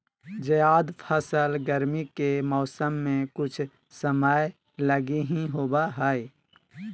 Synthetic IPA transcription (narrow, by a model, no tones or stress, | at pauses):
d͡ʒəjaːd̪pʰəsəlɡəɾmikemɔːsəmːẽkʊt͡ʃʰ | səmaːj | ləɡiɦĩɦoːbaɦəːi